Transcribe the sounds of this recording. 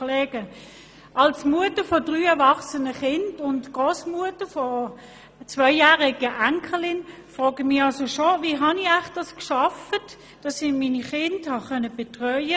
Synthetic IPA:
lɛːɡ̥ə | ʔɑlsmuətəfɔd̥ʁyːɛvɑχsənəχɪndʊntɡ̥ʁoːsmuətəfɔ | t͡sʋœʏjæːʁɪɡ̥əʔæŋkʰəlɪnfʁɔːɡəmɪɑlsoʃoviːɦɑniaχd̥ɑskʃɑfət | d̥ɑsɪmiːniχɪndhɑχœnəb̥etʁœʏə

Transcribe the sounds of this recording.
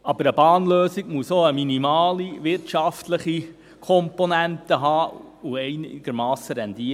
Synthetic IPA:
ɑb̥əɾəb̥ɑːnløːsɪɡmusoəminimɑːliʋɪɾtʃɑftləχi | kʰɔmponæntəɦɑː | uɛɪnɪɡ̥əɾmɑːsəɾɛndiː

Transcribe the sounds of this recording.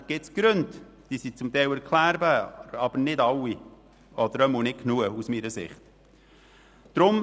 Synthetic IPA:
ɡ̥ɪtsɡ̥ɾønt | d̥iːsit͡sʊmt̪ɛɪwɛɾkʰlæːɾbæːɾɑb̥əɾnɪdɑwi | ɔd̪əɾœmunɪkʰnuəusmiːɾəsɪ̰χt̪ | d̥ɾʊm

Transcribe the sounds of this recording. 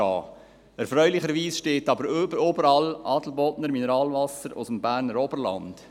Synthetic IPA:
ɑː | ɛɾfɾœʏlɪχəɾʋiːsʃteːtɑbəɾəɾøbəɾɑlʔɑːd̥l̩bɔtnəɾminɛɾɑːlvɑsəɾʊ̰səmbæːɾnəɾɔbəɾlɑ̰nd̥

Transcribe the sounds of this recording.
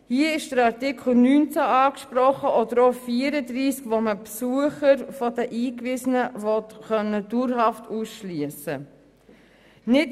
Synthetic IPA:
hiəɪʃd̥əɾɑɾtɪkχl̩nyːnt͡sæɑːkʃpɾɔχəʔɔdəɾofiːəɾədɾiːskʋoməpsuəχəɾfɔdəʔiːkʋɪsənəvɔtχœnːəd̥uɾɦɑftuːsʃliəsə | nɪt

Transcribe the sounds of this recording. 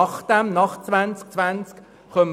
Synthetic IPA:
ɑχd̥ɛmnɑχt͡svant͡sk̚t͡svant͡sk | χœm

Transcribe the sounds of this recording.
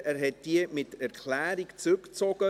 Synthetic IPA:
æːɾɦɛt̚d̥iəmɪtæɾkʰlæːɾikt͡sʏkt͡sɔɡ̥ə

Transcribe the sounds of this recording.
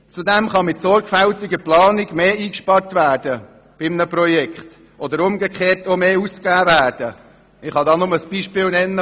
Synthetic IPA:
t͡sudɛmχɑmɪtsɔɾɡ̥fæltɪɡəplɑːnɪɡmeːiːkʃpɑɾrtvæːɾd̥ə | b̥ɪmnəprɔjɛkχt | ʔod̪əɾʊmɡəkχeːɾtomeːuskæːvæːd̥ə | ɪχhɑdɑːnʊməsb̥iːʃpɪːlnɛnːə

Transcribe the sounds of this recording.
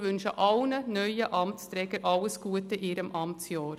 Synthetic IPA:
ʋʏnʃəʔɑlnənœʏəʔɑmtst̪ɾɛɡəɾʔɑlːəsɡ̥uːətəʔiːɾəmʔɑmsjɑːɾ

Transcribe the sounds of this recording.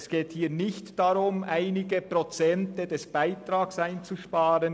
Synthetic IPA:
sɡ̥eːthiːnɪçtd̥aɾʊmʔaɪnɪɡəpʁɔt͡sɛntəd̥ɛsb̥aɪtʁaːksaɪnt͡suʃpaːɾən

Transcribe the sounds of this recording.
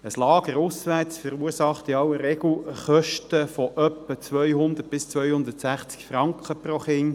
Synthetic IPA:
əslɑːɡ̥əɾʊsʋæt͡sfəɾuːsɑχt̪ɪɑwəɾeɡl̩χœʃtəfɔʔœpːət͡sʋœjhʊnd̪ət̚b̥ɪst͡sʋœjhʊnd̪ətsæχt͡skfɾɑŋkχəproχɪn

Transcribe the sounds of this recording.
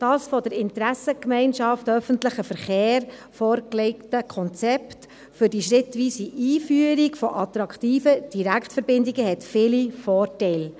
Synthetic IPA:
d̥ɑːsfɔd̥əɾɪntɾæsəkmɛɪnʃɑftœfəntləχəfəɾχeːɾ | fɔːɾkleɪktəkʰɔnt͡sɛpt | fʏɾdiʃɾɪtʋiːsiʔiːfyəɾikfɔʔɑt̪ɾɑkχtiːfəd̥iɾækχtfəɾbɪndiɡəɦɛtfɪlifɔːrtɛɪl

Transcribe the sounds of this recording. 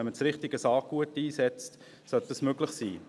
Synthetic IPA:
ɛnmət͡sɾɪχtɪɡəsɑːk̚ɡ̥uətiːsɛt͡st | sœt̚d̥ɑsmøɡlɪχsḭː

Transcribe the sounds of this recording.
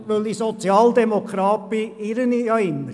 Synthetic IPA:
ʋølisɔt͡sjɑːld̪ɛmokʰɾɑːpiɪɾəniɑɪnə

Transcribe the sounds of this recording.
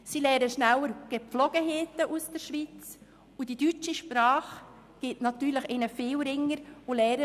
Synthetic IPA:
silɛːɾəʃnæwəɾɡ̥eflɔɡ̥əɦeːtəʔusd̥ɛɾʃʋit͡s | ud̥id̥yt͡ʃiʃpɾɑːχ | ɡ̥ɪtnɑt̪yːɾlɪxɪnəfɪːwɾɪŋːəɾʊlɛːɾə

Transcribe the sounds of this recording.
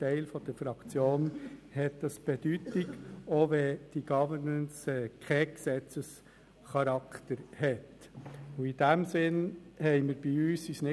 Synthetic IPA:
tɛɪlfɔd̥əɾfɾɑkt͡sjoːnhɛt̚d̥ɑsb̥ɛd̥ytɪɡoːʋɛd̥iɡ̥ɑvəɾnənsɛkʰɛksɛt͡səs | χɑɾɑkt̪əɾhɛt | ʊid̥æmsɪnhɛɪməɾb̥iyːsisnɪ

